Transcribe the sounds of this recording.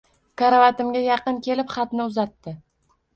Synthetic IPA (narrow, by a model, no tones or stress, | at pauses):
kʰaɾavat̪ɪmɡʲajɑqɨnkʲʰe̞lɪpχɑt̪nɪʊzat̪ːɪ